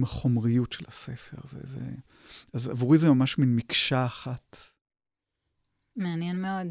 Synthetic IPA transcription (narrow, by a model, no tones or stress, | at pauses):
maχo̞mʁijutʃelasefe̞̰ʁvḛvḛ | aza̰vuʁizemamaʃminmikʃaːχat | meanjɛnmeod